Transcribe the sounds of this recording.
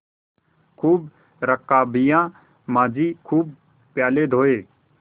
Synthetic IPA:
kʰuːb | ɾəkːaːbɪjãː | mãːd͡ʒiːkʰuːb̚ | pjaːleːd̪ʱoːeː

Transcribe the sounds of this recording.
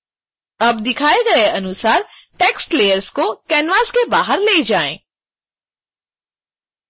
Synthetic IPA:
ɐbd̪ɪkʰaːeɡɐeʔɐnʊsaːɾ | ʈeːksʈleːjəɾzkokɛːnʋaːskebaːɦəɾleːd͡ʒaːḛ̃ː

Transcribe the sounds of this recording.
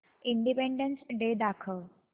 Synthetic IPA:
iɳɖipeɳɖənsɖed̪akʰəʋ

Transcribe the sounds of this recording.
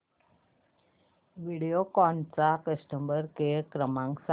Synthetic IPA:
ʋiɽijokɔɳt͡sakəsʈəmbəɾkekɾəmãŋksa

